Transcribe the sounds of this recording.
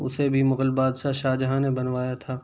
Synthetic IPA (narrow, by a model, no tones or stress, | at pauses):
ʊ̰sebʱimʊɣəlbaːt̪ʃaʃaːd͡ʒɐɦãnebɐnʋaːjat̪ʰaː